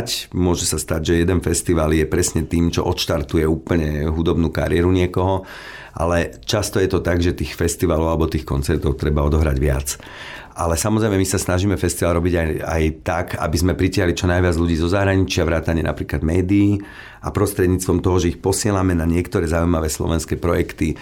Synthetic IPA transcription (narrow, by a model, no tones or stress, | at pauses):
cmʊɔʒɛsast̪aɟʒɛjɛd̪ɛnfɛst̪iʋaːljɛpɾɛsɲɛt̪iːmt͡ʃɔ̰ʔɔt̪ʃt̪aɾt̪ujɛuːpl̩ɲɛɦud̪ɔbnuːka̰ɾɪɛɾuɲɪɛkɔɦɔ | ʔa̰lɛt͡ʃast̪ɔjɛt̪ɔt̪aɡʒɛt̪iːxfɛst̪iʋaːlɔʊalɛbɔt̪iːxkɔnt͡sɛɾt̪ɔʊt̪ɾɛbaɔd̪ɔɦɾaɟʋɪa̰t͡s | ʔalɛsamɔzɾɛjmɛmisasnaʒiːmɛfɛst̪iʋaːlɾɔbiɟaja̰jt̪aka̰bizmɛpɾicɪaɦlit͡ʃɔnajʋɪad͡zʎuɟiːzɔzaɦɾaɲit͡ʃɪaʋɾaːt̪aɲɪɛna̰pɾiːklad̪mɛːd̪iː | apɾɔst̪ɾɛd̪ɲiːt͡st̪ʋɔmt̪ɔɦɔʒɛixpɔsɪɛlamɛnaɲɪɛkt̪ɔɾɛːzaujmaʋɛːslɔ̰ʋɛnskɛːpɾɔjɛkt̪i